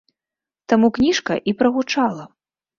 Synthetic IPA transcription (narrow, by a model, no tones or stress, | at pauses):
t̪amuknʲiʂkɐ̰ʔipɾɐɣut͡ʂalˠɐ